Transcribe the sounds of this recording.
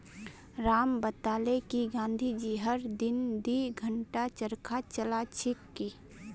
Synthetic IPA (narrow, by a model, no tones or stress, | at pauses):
ɾaːmbət̪aːlekiɡãːnd̪ʱid͡ʒiɦəɾd̪ɪnd̪iɡʱəɳʈat͡ʃəɾkʰat͡ʃəlat͡ʃʰɪkːi